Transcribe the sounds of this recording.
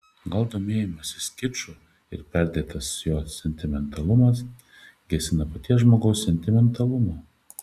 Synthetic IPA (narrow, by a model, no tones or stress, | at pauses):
ɡɐlˠd̪oːmʲeːjɛmɐsʲɪsʲkʲɪt͡ʃʊ | ɪ̰ɾpʲɛɾʲd̪ʲeːt̪ɐsjoːsʲɛnʲt̪ʲɪmʲɛnt̪ɐlˠʊmɐs | ɡʲɛsʲɪnɐpɐt̪ʲiɛsʒmoːɡɐʊsːʲɛnʲt̪ʲɪmʲɛnt̪ɐlˠʊmɑː